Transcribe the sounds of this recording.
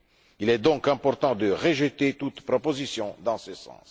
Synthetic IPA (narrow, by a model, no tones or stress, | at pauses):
ilɛd̪ɔ̃kɛ̃pɔʁt̪ɑ̃d̪əʁəʒət̪et̪ut̪pʁɔpozisjɔ̃d̪ɑ̃səsɑ̰̃s